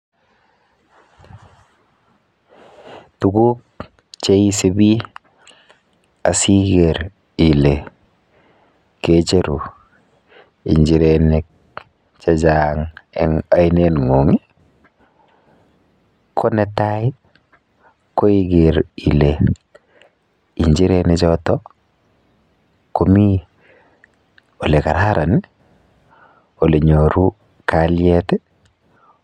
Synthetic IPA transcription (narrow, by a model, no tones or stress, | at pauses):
tuɡuk̚ | t͡ʃejisebi | asiɡeɾ | ile | ket͡ʃeɾu | iɲd͡ʒiɾenek̚ | t͡ʃad͡ʒaŋɛŋajnenŋoŋi | kʰonetaji | koiɡeɾile | iɲd͡ʒiɾenet͡ʃɔtɔ | komi | olekaɾaɾani | oleɲoɾu | kaljɛtɛ